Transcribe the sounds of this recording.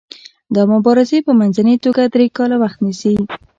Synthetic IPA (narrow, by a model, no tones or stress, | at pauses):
d̪əmʊbɑɾɪzepəmanzanet̪oɡad̪ɾekɑlawaxt̪nisi